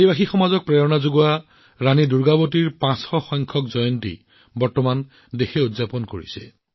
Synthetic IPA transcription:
ibaxixɔmazɔk̚pɹeɔnazoɡua | ɹaniduɹɡabotiɹpãsxɔxɔjŋkʰɔkzɔjɔntḭ | bɔɹtɔman | dexeudzapɔnko̰ɹisɛ̰

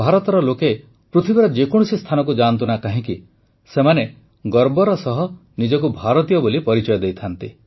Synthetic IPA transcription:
bʱaɾɔt̪ɔɾɔloke | pɾut̪ʰibeɾɔd͡ʒekɔɽ̃usist̪ʰanɔk̬ud͡ʒant̪unakaɦĩki | semane | ɡɔɾbɔɾɔsɔɦɔnid͡ʒɔkubʱaɾɔt̪ijɔbolipɔɾit͡ʃɔjɔd̪ejt̪ʰant̪i

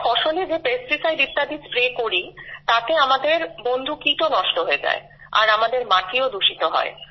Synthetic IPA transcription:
kʰɔʃoled͡ʑepesɾisajd̪it̪ːad̪id͡ʑpɾekoɾit̪at̪eamad̪eɾbond̪ʱukiʈonɔʃʈoɦoed͡ʑa̰e | a̰ɾamad̪eɾmaʈʰiod̪uʃit̪oɦɔ̰e

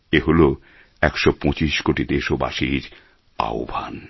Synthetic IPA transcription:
eɦolo | ɛkʃɔpɔ̃t͡ɕiʃkoʈid̪eʃoba̰ʃiɾ | a̰o̰bʱa̰n

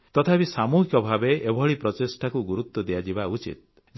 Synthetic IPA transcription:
t̪ɔt̪ʰapisamuɦikɔbʱabeʔːbʱɔɭipɾɔtesʈʰakuɡuɾut̪ːɔd̪ejad͡ʒibaut͡ʃḭt̪̚ | d͡ʒ

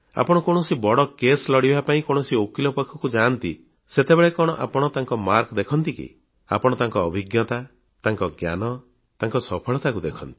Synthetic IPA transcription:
a̰pɔɽ̃ɔkoɽ̃ɔsibɔɽɔkeslɔɽibʱapaĩkɔɽ̃ɔsiokilɔpɔkʰːɔkud͡ʒant̪i | set̪ebeɭekɔɽ̃ɔʔa̰pɔɽ̃ɔt̪aŋkɔmaɾkɔd̪ekʰɔnt̪ikḭ | a̰pɔɽ̃ɔt̪aŋkɔːbʱiɡjɔt̪a | t̪aŋkɔɡja̰nɔ | t̪aŋkɔsɔpʰɔɭɔt̪akud̪ekʰɔnt̪i̥

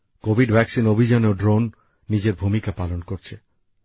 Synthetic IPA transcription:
kobʱiɖbʱɛksinobʱid͡ʑanoɖɾonː | id͡ʑeɾbʱumikapalonkoɾt͡ɕʰe

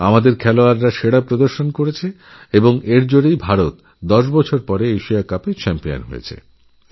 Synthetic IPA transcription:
amad̪eɾkʰɛloaɾːaʃeɽapɾod̪oɾʃonkoɾet͡ɕʰe | eboŋeɾd͡ʑoɽejbʱaɾot̪ | d̪ɔʃbɔt͡ɕʰoɾpɔɾeeʃiakapet͡ɕɛmpija̰nɦojḛt͡ɕʰḛ

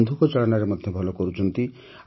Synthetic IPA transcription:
nd̪ʱukɔt͡ʃaɭɔnaɾemɔd̪ʱjɔbʱɔlɔkɔɾut͡ʃʰɔnt̪i

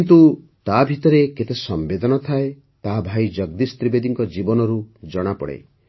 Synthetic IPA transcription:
kint̪u | t̪abʱit̪ɔɾeket̪esɔmbed̪ʱɔnɔt̪ʰae | t̪aɦabʱajd͡ʒʌɡd̪ist̪ɾibed̪iŋkɔd͡ʒibɔnɔɾud͡ʒɔɽ̃apɔ̰ɽḛ

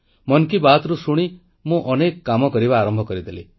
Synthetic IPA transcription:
mɔnkibat̪ɾusuɽ̃i | mũʔɔnekkːamɔkɔɾiβaːɾɔmbʱɔkɔɾid̪ʱeli

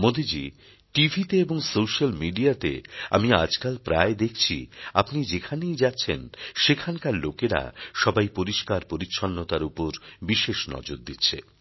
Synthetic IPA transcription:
mod̪ʱid͡ʑi | ʈibʱit̪eeboŋsowʃalmiɖiat̪ḛa̰miad͡ʑkalpɾaed̪ekʰt͡ɕʰiapnid͡ʑekʰanejd͡ʑatːɕʰenʃekʰankaɾlokeɾa̰ʃɔbajpoɾiʃkaɾpoɾitːɕʰonːot̪aɾupoɾbiʃeʃnɔ̰d͡ʑoɾd̪itːɕʰḛ

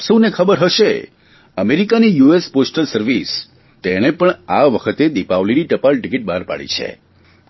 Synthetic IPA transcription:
səwnekʰəbəɾɦəʃḛ | əmeɾikanijuesposʈəlsəɾʋis | t̪eɽ̃epəɳaʋəkʰət̪ed̪ipaʋliniʈəpalʈikiʈ̚baɾpa̰ɽḭt͡ʃʰḛ

